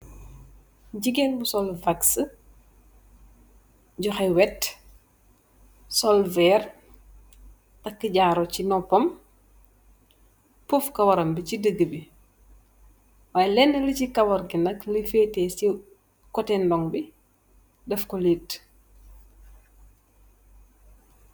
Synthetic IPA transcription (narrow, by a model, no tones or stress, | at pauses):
ɟiɡɛnbusɔlvaks | ɟɔxɛwɛt | sɔlvɛːr | tɐkːəɟaːɾɔcinɔpɔm | pufkɐwɐɾɐmbicidəɡːəbi | waːjɛlɛnːəlicikɐwɐɾɡinɐklifɛːtɛsi | kɔtɛndɔŋbi | dɐfkɔliːt